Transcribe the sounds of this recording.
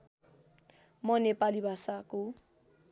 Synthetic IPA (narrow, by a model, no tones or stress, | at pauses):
mɔnepalibʱasako